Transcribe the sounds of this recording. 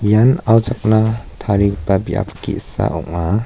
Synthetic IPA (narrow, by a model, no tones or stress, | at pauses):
janawzak̚nat̪ʰaɾikbabia̰p̚kḭsa̰ʔṵŋa